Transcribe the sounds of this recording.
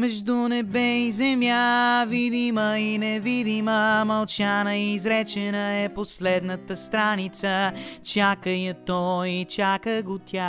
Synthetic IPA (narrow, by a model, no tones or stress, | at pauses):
mɛʒd̪unɛbɛizɛmjavid̪iməinɛvid̪iməmɐlˠt͡ʃanəizɾɛt͡ʃɛnəɛposlɛd̪nət̪əst̪ɾanit̪sət͡ʃakəjət̪ɔit͡ʃakəɡot̪ʰʲja